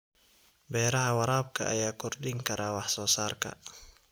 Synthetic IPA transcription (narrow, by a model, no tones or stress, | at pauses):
bɛːɾɐɦɐwɑɾaːb̚kʰɐʔɐ̰jaːkʰɔrɗɪŋkʰɐɾʔaːwɑħsɔːsaːrkʰɐ̰